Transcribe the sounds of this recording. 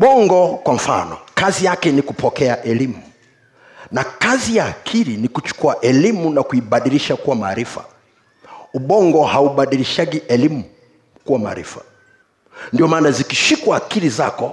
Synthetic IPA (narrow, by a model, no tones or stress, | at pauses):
ɓɔŋɡɔkwaɱ̩fa̰nɔ̰kazijakɛnikupɔkɛaʔɛlimu | nakazijaːkʰiɾinikut͡ʃu̥kuaʔɛlimunakuiɓaɗiliʃakuwamaːɾifa̰ | uɓɔŋɡɔhauɓaɗiliʃaɠiʔɛlimu | kuwama̰ːɾḭfa̰ | ndiɔmaːnazikiʃikwaːkiɾiza̰kɔ